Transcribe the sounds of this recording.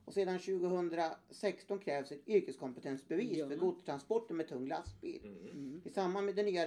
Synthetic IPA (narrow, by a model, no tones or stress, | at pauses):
ɔseːd̪anɕʉ̟ːɡəhɵnd̪ɾasɛkst̪ɔnkʰɾɛːvsɛt̪ʏɾkəskʰɔmpət̪ʰɛnt̪sbɛviːsfœɾɡud̪̚t̪ʰɾanspɔʈːənmɛt̪ʰɵŋːla̰st̪̚bḭːlɪsamːanmɛd̪ɛnyːa